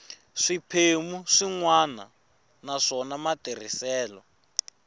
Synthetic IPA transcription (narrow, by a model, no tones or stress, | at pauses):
ʂipʰemuʂiŋwana̰ | naʂɔnamater̤isɛːlɔ